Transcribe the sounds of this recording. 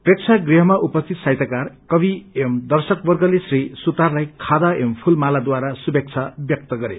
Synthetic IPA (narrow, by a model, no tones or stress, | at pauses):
prek̚t͡sʰaɡriɦʌmaʔupʌst̪ʰit̪sajt̪akarkʌbiemd̪ʌrsʌkbʌrɡʌlesrisut̪arlajkʰad̪aempʰulmalad̪waɾasubek̚t͡sʰabjʌk̚t̪ʌɡʌɾḛ